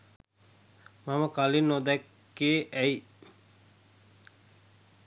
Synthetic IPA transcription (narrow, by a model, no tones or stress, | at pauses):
maməkalinod̪ɛkː | eːʔɛi